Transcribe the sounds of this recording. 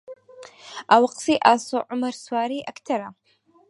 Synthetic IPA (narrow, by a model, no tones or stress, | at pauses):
awaqʼsiʔaːsoʕʊmɐrswaːɾiʔaktʰɐɾa